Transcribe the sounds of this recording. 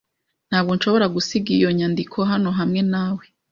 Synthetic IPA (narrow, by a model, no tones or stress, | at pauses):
n̥haːβɡonʃo̞βo̞ɾaɡusiɡijo̞ɲandikʰo̞ɦano̞ɦamŋe̞naːwe